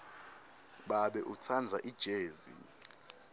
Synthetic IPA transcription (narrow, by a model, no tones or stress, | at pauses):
ɓaɓɛʔut͡sʰand͡zʱaʔid̥ʒ̥ʱeːzḭ